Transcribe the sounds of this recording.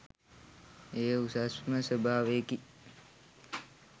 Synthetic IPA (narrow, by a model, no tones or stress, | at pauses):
eːusasməsəbʱaːʋeki